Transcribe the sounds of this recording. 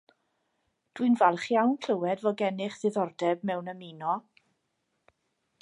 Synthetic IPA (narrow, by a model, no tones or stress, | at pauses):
d̥winvɛlˠχjawnkʰl̥əwɛdvɔɡɛnɪχðɪðɔrdɛb̚mɛwnəminɔ